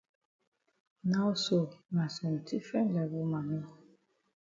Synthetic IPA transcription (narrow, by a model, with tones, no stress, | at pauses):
na˦wso˨na˨sɔ̃˨n̩˨tʰi˦fɛ̃˦nlɛ˨vɔ˦ma˨nɔ˦